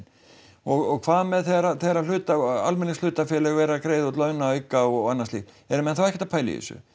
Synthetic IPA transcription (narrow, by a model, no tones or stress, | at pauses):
ɔɣɔɣkʰvaːðmɛðθɛɣɾaθɛɣɾal̥ʏːt̪aa̰lmɛnːɪst̪l̥ʏːt̪afjɛːlɛɣvɛːɾakɾeːjðɔt̪lœːɥnaʏkːaɔanːast̪lḭ | ɛɾmɛnθawɛhcɪ̥ɛt̪apʰaːjlɪ̰ɪ̰sʏ̰